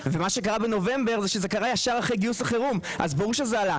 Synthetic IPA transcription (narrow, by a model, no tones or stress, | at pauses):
vemaʃekaʁabeno̞ve̞mbeʁzeʃezekaʁajaʃaʁaχejɡiuslaχeʁumʔa̰zbaʁuʁʃezeala